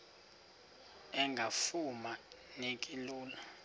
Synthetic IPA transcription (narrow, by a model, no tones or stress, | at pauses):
ɛŋɡʱafuma | nekʼiluːla